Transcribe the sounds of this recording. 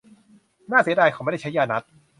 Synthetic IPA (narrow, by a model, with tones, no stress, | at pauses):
naː˥˩si˩˦daː˧jkʰa˧˩˦ma˥˩da˥˩t͡ɕʰa˦˥jaː˧na˦˥t̪̚